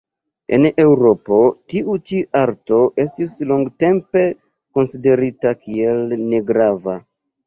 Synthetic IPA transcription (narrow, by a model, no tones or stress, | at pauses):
e̞̰ne̞wɾo̞po̞tiʔut͡ʃiʔaɾto̞ʔe̞stisloŋɡte̞mpe̞ | ko̞nside̞ɾitakie̞lne̞ɡɾava